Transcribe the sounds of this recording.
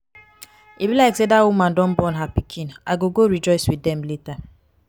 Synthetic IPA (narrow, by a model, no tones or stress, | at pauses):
ibilaɪksedawumãndɔm̩bɔnɦapikʰĩnaɡoɡoɾid͡ʒɔɪswiɛmleta